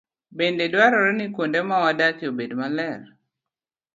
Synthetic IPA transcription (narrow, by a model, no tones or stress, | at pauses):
bendedwaɾɔɾɛnikondemawadakiobedmalɛr